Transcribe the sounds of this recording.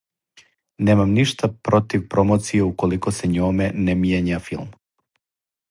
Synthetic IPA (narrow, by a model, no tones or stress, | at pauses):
neːmamniʃt̪apɾot̪iʋpɾomot̪sijeukolikoseɲoːmenemjeɲafilˠm